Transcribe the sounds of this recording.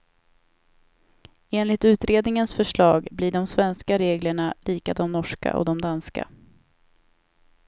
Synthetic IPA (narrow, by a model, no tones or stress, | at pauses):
eːnlɪt̪ʉ̟ːt̪ɾeːd̪nɪŋənsfœʂɭɑːɡblɪɖɔmsvɛnskaɾeːɡləɳaliːkad̪ɔmnɔʂka̰ʔɔ̰d̪ɔmd̪anska̰